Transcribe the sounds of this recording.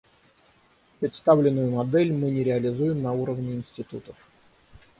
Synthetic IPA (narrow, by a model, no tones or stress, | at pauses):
pɾʲɪt̪st̪avlʲɪnːʊjʊmɐd̪ɛlʲmɨnʲɪɾʲɪɐlʲɪzujɪmnɐuɾəvnʲɪːnsʲtʲɪt̪ṵt̪əf